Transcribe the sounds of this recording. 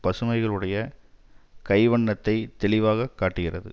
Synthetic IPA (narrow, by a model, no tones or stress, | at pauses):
pɐsɯmɐɪɣɐɭɯɽɐjɐ | kɐɪʋɐɳːɐt̪ːɐɪt̪ɛlɭɪʋaːɣɐkːaːʈːɪɣɪrɐðɯ̰